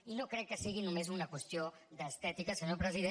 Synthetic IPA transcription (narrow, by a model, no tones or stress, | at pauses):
inokɾɛkːəsiɣ̞inumezunɐkwəst̪jo | ðəst̪ɛt̪ikəsəɲopɾəziðe